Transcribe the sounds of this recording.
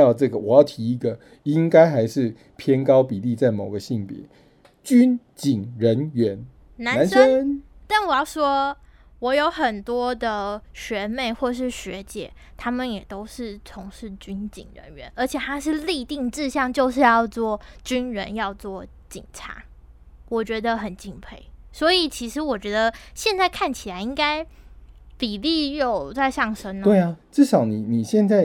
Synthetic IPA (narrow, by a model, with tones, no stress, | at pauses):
ɑ˥˧ʊʈ͡ʂɤ˥˨˩ɡə˩wɔ˨˩jɑ˥˩ʊt̪ʰi˧˥i˧˥ɡə˨ | i˦˥ŋka˥ɪxa˧˥ɪʂɻ̩˥˨ | pʰjɛ˦˥nkɑ˥˦ʊpi˨˩li˥˧t͡sa˥˩ɪmo˨˩ʊɡə˦ɕi˥˨˩ŋpjɛ̰˨˩˦ | t͡ɕy˦nt͡ɕi˨˩ŋɻə˧˦nɥɛ˧˦n | na˧˦na˧˦nə˥˦t̪a˥˩nwɔ˨˩jɑ˥˩ʊʂwɔ˥ | wɔ˨˥jo˧˥ʊxə˨˩nt̪wɔ˥d̪ə˨ɕɥɛ˧˥me˥˧ɪxwɔ˥˩ʂ̬ɻ̩˥˩ɕɥɛ˧˥˦t͡ɕjɛ̰˨˩˦t̪ʰa˥mə˨njɛ˨˩t̪o˥ʊʂɻ̩˥˩t͡sʰʊ˧˥ŋʂɻ̩˥˩t͡ɕy˥nt͡ɕḭ˨˩ŋɻə̰˧˥nɥɛ̰˧˥˦nʔə˞˧˥t͡ɕʰjɛ˨˩t̪ʰa˥ʂ̬ɻ̩˥˧li˥˧t̪i˥˧ŋʈ͡ʂɻ̩˥˧ɕjɑ˥˧ŋt͡ɕjo˥˧ʊʂ̬ɻ̩˥˧jɑ˥˧ʊt͡swɔ˥˩t͡ɕy˥nɻə˧˥njɑ˥˧ʊt͡swɔ˥˩ | t͡ɕḭ˨˩ŋʈ͡ʂʰa̰˧˥˦ | wɔ˨˩t͡ɕɥɛ˧˥d̪ə˧xə˨˩nt͡ɕi˥˧ŋpʰe˥˩ɪswɔ˧˥i˨˩t͡ɕʰi˧˥ʂɻ̩˧˥wɔ˨˩t͡ɕɥɛ˧˥d̪ə˧ɕjɛ˥˧nt͡sa˥˧ɪkʰa˥˩nt͡ɕʰi˨˩la˧˦ɪi˦˥ŋka˥ɪ | pi˨˩li˥˧jo˨˩ʊt͡sa˥˧ɪʂjɑ˥˩ŋʂə˥nwe˥˩ɪaʈ͡ʂɻ̩˥˧ʂɑ˨˦ʊni˨˦ni˨˩ɕjɛ˥˧nt͡sa˥˩ɪ